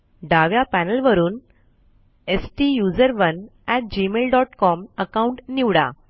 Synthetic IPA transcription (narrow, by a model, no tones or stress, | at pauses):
ɖaʋjapænəlʋəɾuːn | esʈijud͡zəɾʋənɛʈ̚d͡ʑimelɖɔʈkɔməkauɳʈniʋɽa̰